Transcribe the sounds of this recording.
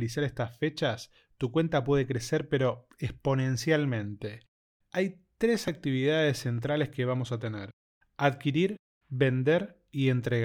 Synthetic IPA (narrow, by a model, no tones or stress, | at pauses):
lisaɾest̪asfet͡ʃas | t̪ukwe̞nt̪apwe̞ð̞e̞kɾe̞seɾpe̞ɾo̞ | espo̞ne̞nsjalmẽ̞nt̪e̞ | aj | t̪ɾe̞sak̚t̪iβ̞iðað̞e̞sːe̞nt̪̬ɾale̞ske̞β̞amosat̪eneɾ | aðkiɾiɾ | βe̞nd̪eɾ | ie̞nt̪ɾeɣ